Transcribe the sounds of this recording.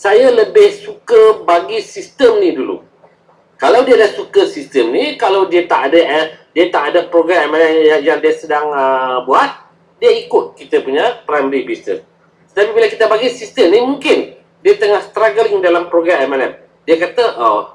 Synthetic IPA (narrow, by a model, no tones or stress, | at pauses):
sajaləbɪhsukəbaɡisist̪əmnidulṵ | kalawdiadahsukəsist̪əmnikalawdiat̪aʔadədiat̪aʔadapɾoɡɾamamanɛajaŋdiasədaŋəbuat̪̚ | diəikʊt̪̚kit̪əpuɲapɾajməɾibisnə̰s | t̪ət̪apibilakit̪əbaɡisist̪əmnimuŋkɪn | diat̪əŋahst̪ɾaɡəɾɪŋdalampɾoɡɾamɛmalɛm | diəkat̪əʔo